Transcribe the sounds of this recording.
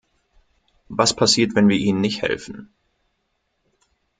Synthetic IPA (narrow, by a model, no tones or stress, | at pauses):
vaspʰasiːɐtvɛnviːɐʔiːnənːɪçthɛ̰lfn̩